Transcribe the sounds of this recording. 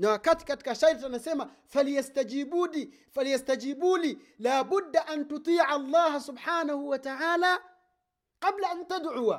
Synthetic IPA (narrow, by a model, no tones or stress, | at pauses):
naːkat̪kat̪kaʃajɾt̪anaseːma | faljast̪ad͡ʒiːbuːliː | faljast̪ad͡ʒiːbuːliː | laːbʊd̪ːaʔant̪ʊt̪ˤiːʕɑlˤːɑːhasʊbħaːnahuwat̪aʕaːlaː | qɑblaʔant̪ad̪ʕʊwa